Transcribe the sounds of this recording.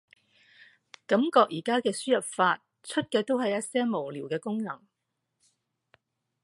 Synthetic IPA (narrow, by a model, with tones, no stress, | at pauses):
kɐ˨˥mkɔː˧k̚jiː˨˩kaː˥kɛː˧syː˥jɐ˨p̚faː˧t̚ | t͡ʃʰɵ˥t̚kɛː˧t̪o˥wɦɐ˨jːɐ˥t̚sɛː˥mo˨˩wliː˨˩wkɛː˧kʊ˥ŋnɐ˨˩ŋ